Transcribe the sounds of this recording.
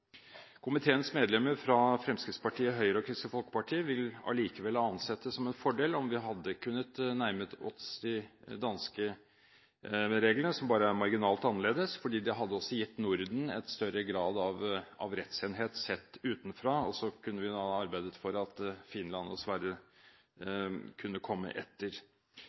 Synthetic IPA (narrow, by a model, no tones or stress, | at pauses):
kʰʊmɪt̪ʰeːənsmeːd̪lɛmːəɾfɾɑfɾɛmskɾɪt̪spɑʈʰiːəɦœʏəɾəɔkʰɾɪsəfɔlkə̥pɑʈʰiːəʋɪlɑ̰liːkəʋɛlhɑɑnsɛt̪ːəsːɔmɛnfɔɖeːlɔmʋɪɦɑd̪ːəkʰʉnːət̪næɾmət̪ɔt̪sd̪ɪd̪ɑnskə | ɾeːɡlənəsɔmbɑːɾəæmɑɾɡɪnɑːlt̪ɑnːəɭeːd̪əsfɔɖiːd̪ɛɦɑd̪ːəɔsɔjɪt̪ːnʊɾd̪n̩ɛ̰t̪st̪œɾəɡɾɑːd̪ɑʋɑ̰ʋɾɛt̪seːnɦeːt̪sɛt̪ːʉːt̪nfɾɑːɔsɔkʰʉnːəʋɪɑɑɾbæɪd̪ət̪fɔɾɑt̪fɪnlɑnɔsʋæɾə | kʰʉnːəkʰɔmːə̰ʔɛt̪ːəɾ